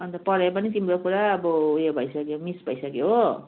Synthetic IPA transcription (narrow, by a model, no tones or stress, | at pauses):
ʌnt̪ʌpʌɾepʌnit̪imɾokuɾaʌbʌjobʱʌjsʌkjomisbʱʌjsʌkjo